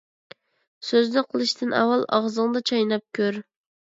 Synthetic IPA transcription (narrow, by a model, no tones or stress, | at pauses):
søzd̪ɪqʰəlˠɨʃt̪ʰɪnɑ̰wːɑlˠɑ̰ʁzɨŋd̪ɑt͡ʃʰɑjnɑp̚kʲʰøɾ